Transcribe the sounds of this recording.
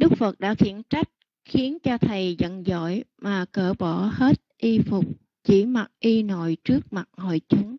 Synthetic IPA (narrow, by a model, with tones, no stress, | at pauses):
ɗɨ˦˥k͡p̚fə˨˩t̚ɗa̰ː˧˥xḭ˧˩ənt͡ɕa˦˥jk̟̚ | xi˨˦ənt͡ɕɔ˧t̪ʰə˨˩jzə̰˧˨nzɔ̰˧˨jmaː˨˩kəː˧˩ɓɔ˧˩he˦˥t̚ʔi˧fʊ˨˩k͡p̚ | t͡ɕḭ˧˩ma˨˩t̚ʔi˧no̰˧˨jt͡ɕɨ˦˥ək̚ma˨˩t̚ho̰˧˨jt͡ɕʊ˨˦ŋ͡m